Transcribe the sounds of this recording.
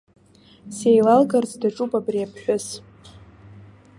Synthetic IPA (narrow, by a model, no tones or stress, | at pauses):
sejlalɡart͡sʼdaʈ͡ʂʼupʼabriapʰħʷᶣʊs